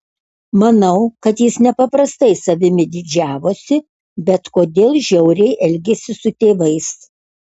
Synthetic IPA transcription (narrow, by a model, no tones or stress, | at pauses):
mɐnɐʊkɐt̪jɪsnʲɛpɐpɾɐst̪ɐɪsɐʋʲɪmʲɪd̪ʲɪd͡ʒʲæːʋoːsʲɪ | bʲɛt̪koːd̪ʲeːlˠʒʲɛʊɾʲɛɪʔɛlʲɡʲesʲɪsʊt̪ʲeːʋɐɪs